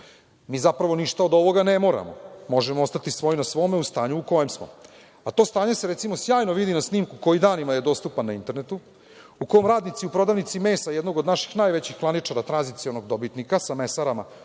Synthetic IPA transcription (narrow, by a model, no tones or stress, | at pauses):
miːzapɾaʋo̞niʃt̪aod̪o̞ʋo̞ɡanemo̞ːɾa̰momo̞ʒemoost̪at̪isʋojinasʋo̞ːmeust̪aːɲuuko̞jemsmo̞̰ | at̪o̞ːst̪aːɲe̞se̞ɾesimo̞sjaːjnoʋid̪inasniːmkuko̞jid̪aːnimaje̞d̪o̞st̪upanːaint̪e̞ɾnet̪u | uko̞jomɾaːd̪nit̪siupɾo̞d̪aʋnit̪sime̞ːsajɛd̪no̞ɡod̪naʃi̥xnaːjʋet͡ɕixklˠanit͡ʂaɾat̪ɾanzit̪sio̞no̞ɡd̪o̞bit̪nikasamesaɾama